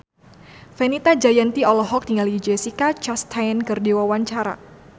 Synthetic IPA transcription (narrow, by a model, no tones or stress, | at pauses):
fɛnit̪ad͡ʒajant̪iɔlɔɦɔk̚diŋalid͡ʒɛsikat͡ʃast̪ʰajnkɨrdewawaɲt͡ʃaɾa̰